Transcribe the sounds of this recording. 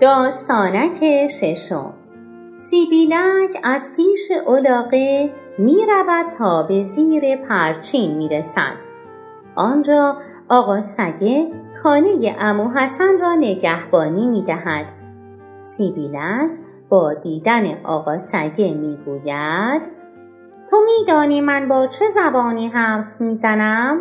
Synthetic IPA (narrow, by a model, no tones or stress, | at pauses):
d̪̥ɒːst̪ɒːnæcʰeʃe̞ʃo̞̰m | siːbiːlæcʰæz̥pʰiːʃeʔolɒːɣe̞ | miːɾævæd̪̥̚t̪ʰɒːbe̞ziːɾe̞pʰæɾt͡ʃʰiːnmiːɾesæ̰d̪̥ | ʔɒːnd͡ʒɒː | ɒːɣɒːsæɟe̞xɒːne̞jeʔæmuːɦæsænrɒːne̞ɟæhbɒːniːmiːd̪æhæd̪̥̚ | sibiːlæcʰ | b̥ɒːd̪iːd̪æne̞ʔɒ̰ːɣɒːsæɟe̞miːɡuːjæd̪̥ | t̪ʰomiːd̪ɒːniːmænbɒːt͡ʃʰe̞zæbɒːniːɦæɾfmiːzænæm